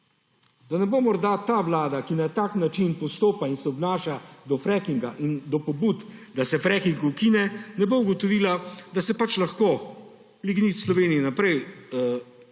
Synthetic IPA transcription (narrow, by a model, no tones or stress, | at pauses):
d̪anɛbomɔɾd̪at̪aːʋlaːd̪akinat̪aːknat͡ʃinpɔst̪oːpainsɛɔbnaːʃad̪ɔfɾɛkiŋɡaʔind̪ɔpɔbut̪d̪asɛfɾɛkiŋɡuukinɛnɛbouɡɔt̪ɔʋiːlad̪asɛpat͡ʃlaxko | liɡnit̪slɔʋeːnijinapɾɛj